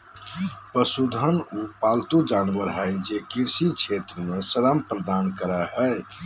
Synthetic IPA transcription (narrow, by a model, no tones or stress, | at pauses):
pəsud̪ʱənupaːlt̪ud͡ʒaːnʋəɾɦɛjd͡ʒekiɾsit͡ʃʰet̪ɾəmesəɾəmpɾəd̪aːnkəɾəɦɛ